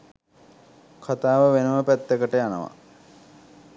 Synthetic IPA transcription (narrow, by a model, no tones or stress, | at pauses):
kʰat̪aːʋəʋenəməpæt̪ːekəʈəjanəʋa̰